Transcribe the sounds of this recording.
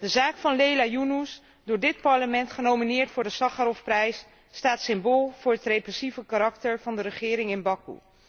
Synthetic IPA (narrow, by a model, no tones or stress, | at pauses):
d̥əzaːkfɑnlejlaːjunus | dʊːɹdɪt̚pɑɹləmɛntχənowminɪːɹtfʊːɹdəsɑχaɾɔfprɛjsː | taːtsɪmboːlˠv̥ʊːɹɦətrejprɛsivəkaɾɑktəɹvɑndəɾəχɪːɾɪŋɪnbɑkṵ